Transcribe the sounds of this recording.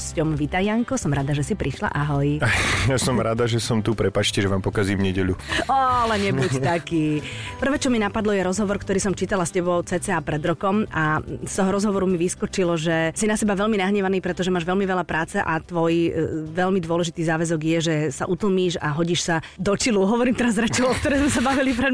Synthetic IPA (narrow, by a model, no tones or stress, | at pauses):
scɔmʋit̪aɪaŋkɔsɔmɾad̪aʒɛsipɾiʃla̰ʔaɦɔjajasɔmɾad̪aʒɛsɔmt̪upɾɛpaːt͡ʃcɛʒɛʋaːmpɔkaziːmɲɛɟɛʎuɔalɛɲɛbuct̪akiːpr̩ʋɛːt͡ʃɔminapad̪lɔjɛɾɔzɦɔʋɔɾkt̪ɔɾiːsɔmt͡ʃiːt̪alascɛbɔʊt͡sɛːt͡sɛapɾɛd̪ɾɔkɔmast̪ɔɦɔɾɔzɦɔʋɔɾumiʋiskɔt͡ʃilɔʒɛsinasɛbaʋɛlminaɦɲɛʋaniːpɾɛt̪ɔʒɛmaːʒʋɛlmiʋɛlapɾaːt͡sɛʔat̪ʋɔjʋɛlmid̪ʊɔlɛʒit̪iːzaːʋɛzɔɡjɛʒɛsaʔut̪l̩ˠmiːʃaɦɔɟiːʃsa | d̪ɔt͡ʃiluɦɔʋɔɾiːmt̪ɛɾazɾɛt͡ʃɛɔk̚t̪ɔɾɛjzmɛsabaʋilipɾɛ